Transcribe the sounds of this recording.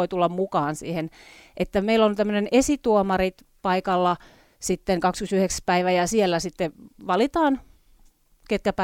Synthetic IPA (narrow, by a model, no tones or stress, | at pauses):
oit̪ulːɑmmukɑːnsḭːhenʔet̪ːæmeilːont̪æmːønenesit̪uomɑrit̪ | pɑikɑlːɑ | sit̪ːeŋkɑkskysyheksæ̥pæiʋæjɑsielːæsit̪ːeʋɑlit̪ɑːn | ket̪̚kæpæ